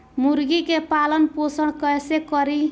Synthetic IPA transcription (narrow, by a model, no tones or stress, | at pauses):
muɾɡikepalənposəɽ̃kʌjsekʌɾi